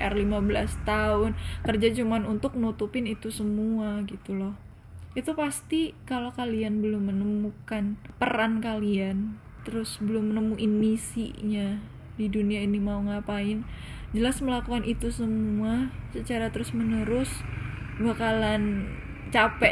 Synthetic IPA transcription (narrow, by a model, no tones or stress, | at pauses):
ʔɛrlimabəlast̪aʊnkərd͡ʒat͡ʃumanunt̪ʊk̚nut̪upɪnit̪usəmuaɡit̪ulɔh | it̪upast̪ikalokalianbəlʊmːənəmukanpəɾankalian | t̪əɾʊsbəlʊmːənəmuʔinːisḭɲa | diduniainimauŋapaɪnd͡ʒəlasməlakukanʔit̪usəmuasət͡ʃaɾat̪əɾʊsmənəɾʊsbakalan | t͡ʃapɛ